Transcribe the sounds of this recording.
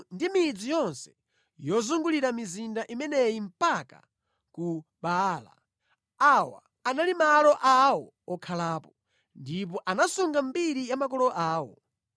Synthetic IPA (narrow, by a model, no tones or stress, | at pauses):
ndimid͡zijɔnsɛ̥ | jɔzuŋɡuliɾamizindaʔimɛnɛjim̩paka̰ | kuɓaːla̰ | awa̰ːnalimalɔʔawɔ | ɔkʰalaːpɔ | ndip̬ɔʔanasuŋɡambiɾijamakɔlɔʔaːwɔ̰